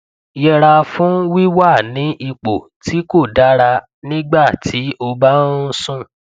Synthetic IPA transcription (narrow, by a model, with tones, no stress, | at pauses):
jɛ˧ɾa˧fũ˦wi˦wa˦˨nĩ˨˦ʔi˧k͡po˨ | ti˨˦ko˦˨da˦ɾa˧ | nĩ˦ɡ͡ba˦˨ti˨˦o˧ba˦sũ˦